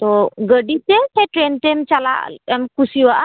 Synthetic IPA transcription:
t̪oɡəɖit̪et̪eʈɾent̪emt͡ʃala̰ʔmkusiwaʔ

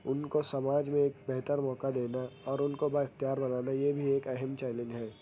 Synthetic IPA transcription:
ʊnkosɐmaːd͡ʒmẽeːkbɛɦt̪əɾmɔːkad̪eːnaɔːɾʊnkobaɪxt̪ijaːɾbɐnaːnajebʱieːkɐɦɛmt͡ʃɛːɪlɪ̃ŋɡɦɛː

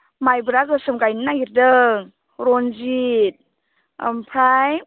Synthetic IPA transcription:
majbɾaɡɯsɯmɡajnnaɡiɾdɯŋ | ɾonzit̚ | əmpʰɾaj

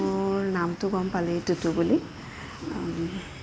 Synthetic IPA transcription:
namt̪uɡɔmpalet̪ut̪ubuli

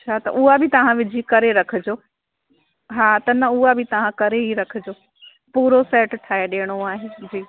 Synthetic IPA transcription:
t͡ɕʰaːt̪ɐ̰ʔuɦabʱɪt̪ɐʋ̤ãʋɪd͡ʑʱikɐɾeɾɐkʰə̆d͡ʑoː | ɦaːt̪ɐnɐuɦabʱɪt̪ɐʋ̤ãkɐɾeɦiɾɐkʰɪd͡ʑoː | puːɾosɛːʈʈʰaːeɗeːɽ̃oaːɦed͡ʑiː

